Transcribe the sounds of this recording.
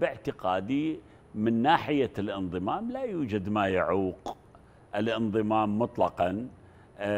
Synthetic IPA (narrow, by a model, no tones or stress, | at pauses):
bɪʕt̪ɪqaːd̪i | mɪnːaːħɪjalʔɪnðˤɨmaːmlajuːd͡ʒad̪majaʕuːq | ʔɪlʔɪnðˤɨmaːmːʊt̪ˤlɑqɑn